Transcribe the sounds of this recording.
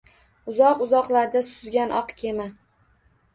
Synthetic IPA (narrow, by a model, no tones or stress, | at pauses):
ʊzɒqʊzɒqlˠaɾd̪asʊzɡʲanʔɒqkʲʰe̞ma